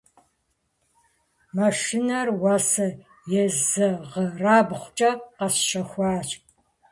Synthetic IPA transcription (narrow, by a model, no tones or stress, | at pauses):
mɐʂinɐrwaːsɐ | jɛzɐʁəraːbχʷt͡ʃʼɐqɐsʃɐxʷɑːt͡ʃʼp